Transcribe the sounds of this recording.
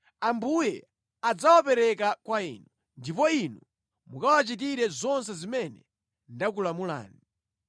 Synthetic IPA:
ambujɛ | ad͡zawapɛɾɛkakwaḭːnu | ndip̬ɔinu | mukawat͡ʃit̬iɾɛzɔns̬ɛzimɛnɛ | ndak̬ulamula̰ːni

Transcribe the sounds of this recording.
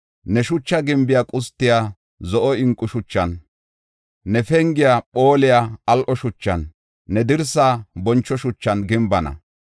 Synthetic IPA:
nɛʃʊt͡ʃːɐɡɪmbɪjaːkʼʊst̪ːɪjaː | zɔʔɔɪŋkʼːʊʃʊt͡ʃːɐn | nɛfɛŋɡɪjapo̞ːlɪjaːɐlʔɔʃʊt͡ʃːɐnː | ɛd̪ɪɾsaːbɔnt͡ʃːɔʃʊt͡ʃːɐnɡɪmbɐnɐ̰

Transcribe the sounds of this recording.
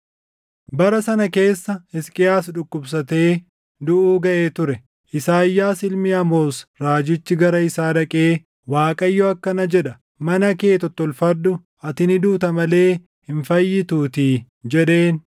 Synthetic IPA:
bɐɾɐsɐnɐke̞ːsːɐhɪskʼɪjaːsᶑʊkːʊbs̬ɐt̪e̞ː | d̪ʊʔuːɡɐʔe̞ːt̪ʊɾɛ | ʔɪsaːjːaːsɪlmiːɐmo̞ːsɾaːd͡ʒɪt͡ʃːɪɡɐɾɐɪsaːᶑɐkʼe̞ː | waːkʼɐjːoɐkːɐnɐd͡ʒɛᶑɐ | mɐnɐke̞ːt̪ɔt̪ːɔlfɐd̪ːʊ | ʔɐt̪ɪnɪd̪uːt̪ɐmɐle̞ː | hɪɱfɐjːɪt̪uːt̪iː | d͡ʒɛᶑeːn

